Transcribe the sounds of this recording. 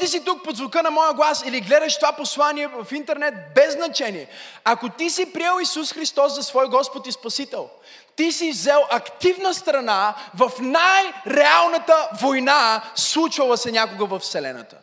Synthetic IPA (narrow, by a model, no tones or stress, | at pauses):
d̪isit̪uk̚pod̪zvokənɐmɔjəɡlˠasiliɡlɛd̪ɐʃt̪ovaposlˠaniɛvɐfint̪ɛɾnɛt̪̚bɛzːnɐt͡ʃɛniɛɐkot̪isipɾijɛlˠisusxɾist̪ɔsːɐsvɔjɡɔspot̪ispɐsit̪ɛlˠ | t̪isivzɛlˠʔɐkt̪ivnəst̪ɾɐnavɐfnajɾɛalˠnɐt̪əvojnaslˠut͡ʃvɐlˠəsɛnʲakoɡəvɐfsɛlɛ̰nɐ̰t̪ə̥̰